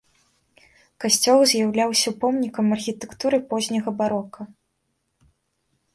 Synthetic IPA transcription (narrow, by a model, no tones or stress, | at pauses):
kasʲt͡sʲɔlˠzʲjawlʲawsʲɐwpɔmnʲikɐmɐrxʲit̪ɛkt̪uɾɨpɔzʲnʲɐɣɐbaɾɔkɐ